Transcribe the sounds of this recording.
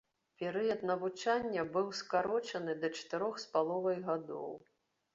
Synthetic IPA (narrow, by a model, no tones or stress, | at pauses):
pʲɛɾɨjɐt̪nɐvut͡ʂanʲːɐbɨwskaɾɔt͡ʂɐnɨd̪ɐt͡ʂɐ̥t̪ɨɾɔxspalˠɔvɐjɣad̪ɔ̰w